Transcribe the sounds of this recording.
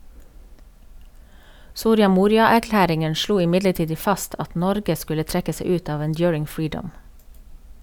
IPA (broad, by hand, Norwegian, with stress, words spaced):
ˈsuːɾɪɑ ˈmuːɾɪɑæɾˌklæːɾɪŋən ˈʃluː ɪˈmɪdləˌtiːd ə ˈfɑst ˈʔɑt ˈnɔɾɡə ˈskʉlə ˈtɹɛkə ˈseɪ ˈʉːt ˈɑːʋ ənˈdjʊːɹɪŋ ˈfɹiːɖəm